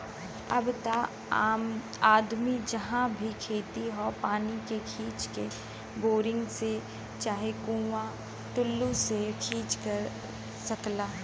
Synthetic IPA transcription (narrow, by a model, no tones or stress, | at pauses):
ɐbt̪aː | m | aːd̪mid͡ʒɐɦãbʱikʰeːt̪iɦopaːnikekʰiːt͡ʃke | boːɾɪ̃ŋɡse | t͡ʃaːɦekũːwã | ʈʊlːusekʰiːt͡ʃkɐɾ | sɐklaː